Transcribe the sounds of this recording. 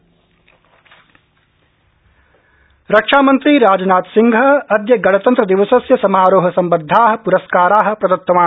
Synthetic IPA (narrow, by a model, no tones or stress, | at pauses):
ɾɐkʂaːmɐnt̪ɾiɾaːd͡ʒɐnaːt̪siŋɡʱɐɐd̪jɐɡɐɽɐt̪ɐnt̪ɾɐd̪iʋɐsɐsjɐsɐmaːɾoːɦɐsɐmbɐd̪ʱːaːɦɐ̆puɾɐskaːɾaːɦɐ̆pɾɐd̪ɐt̪ːɐmaː